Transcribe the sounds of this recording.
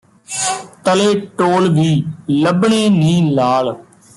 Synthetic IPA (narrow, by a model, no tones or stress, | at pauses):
t̪əleːʈoːlʋiːləbɳeːnĩːlaːl